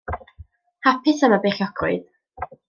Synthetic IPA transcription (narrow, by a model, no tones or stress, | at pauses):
hapʰɪsəmabeːɬjɔɡrʊɨd̥